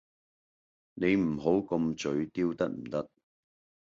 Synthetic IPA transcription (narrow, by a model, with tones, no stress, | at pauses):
ne˨˧jm̩˨˩ɦo˨˥wkɐ˧mt͡sɵ˨˧ɥt̪iː˥wt̪ɐ˥k̚m̩˨˩t̪ɐ˥k̚